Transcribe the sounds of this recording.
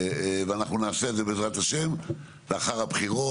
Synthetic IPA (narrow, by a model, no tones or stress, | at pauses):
veanaχnunaːseedzeeezʁat̪aʃe̞m | leaχaʁapχiʁo